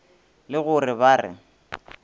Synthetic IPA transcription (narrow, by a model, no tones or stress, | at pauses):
lɪɣʊrɪbaːrɪ̰